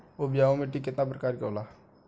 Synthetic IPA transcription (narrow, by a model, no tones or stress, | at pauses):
obijaːõmẽʈikːɪt̪napɾəkaːɾko̰ːlaː